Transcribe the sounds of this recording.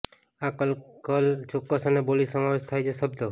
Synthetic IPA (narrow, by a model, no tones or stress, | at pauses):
akəlkəlt͡ʃokːəsənebolisəmaʋeʃt̪ʰajt͡ʃʰesəbd̪o